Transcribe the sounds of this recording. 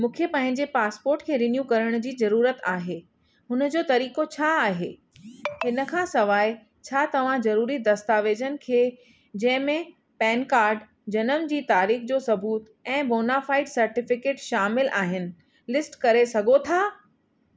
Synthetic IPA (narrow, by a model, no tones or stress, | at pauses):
mũːkʰjepɐ̃ɦɪ̃ɲd͡ʑepaːspoːɾʈkʰeːɾɪnjũkɐɾəɽ̃d͡ʑiːzɐɾuːɾət̪aːɦeː | ɦʊnəd͡ʑoːt̪ɐɾiːkot͡ɕʰaːɦḛː | ɦɪnə̆kʰãːsɐʋaːɪ | t͡ɕʰaːt̪ɐʋ̤ãzɐɾuːɾid̪ɐst̪aːʋeːd͡ʑənɪ̆kʰeː | d͡ʑɐ̃ɦɪ̃mẽ | pɛːnkaːɾɖ | d͡ʑɐnəmd͡ʑiːt̪aːɾiːxd͡ʑoːsɐbuːt̪ | ɛ̃ːboːnaːfaːɪʈsɐɾʈɪfɪkeːʈʃaːmɪlʔa̰ːɦɪnɪ̆ | lɪsʈkɐɾesɐɡʱot̪ʰaː